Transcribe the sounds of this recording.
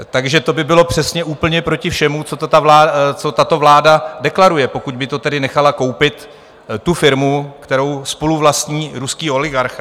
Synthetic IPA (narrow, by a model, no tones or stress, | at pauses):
t̪aɡʒɛt̪o̞bɪbɪlo̞pr̝̥ɛsɲɛʔuːpl̩ɲɛpɾo̞cɪfʃɛmut͡so̞t̪ot̪avlaːt͡so̞t̪at̪o̞vlaːdadɛklaɾujɛpo̞kuɟ̚bɪt̪o̞t̪ɛdɪnɛxalako̞wpɪt̪ː | ufɪɾmukt̪ɛɾo̞wspo̞luvlast̪ɲiːɾuskiːo̞lɪɡaɾx